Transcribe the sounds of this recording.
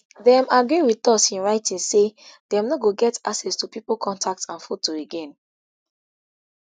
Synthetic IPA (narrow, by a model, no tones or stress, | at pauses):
dɛ̃maɡɹiwitɔtsĩnɹaɪtĩnsed̥ɛ̃mnɔɡoɡɛtasɛstupipolkʰɔ̃ntʰak̚tãnfutːoeɡɛ̃n